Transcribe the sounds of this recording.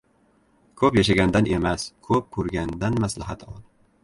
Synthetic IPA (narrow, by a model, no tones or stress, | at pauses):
kʰɵpjaʃaɡʲand̪ane̞maskʰɵp̚kʰɵɾɡʲand̪anmaslaɦat̪ʰɒd̪